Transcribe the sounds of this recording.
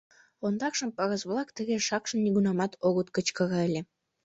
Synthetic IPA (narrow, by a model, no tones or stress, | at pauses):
ond̪ɑkʃəmpɑɣəzβlɑkt̪əɣeʃɑkʃəmnnʲiɣunɑmɑt̪ʰoɣət̪kət͡ɕkɑɣɑelʲe